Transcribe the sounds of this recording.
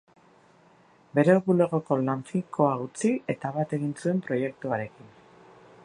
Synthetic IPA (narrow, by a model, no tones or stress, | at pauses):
be̞ɾe̞oβule̞ɣo̞ko̞laɱfikʰo̞aɣut͡sie̞t̪aβat̪e̞ɣinsue̞mpɾo̞je̞k̚t̪uaɾe̞kin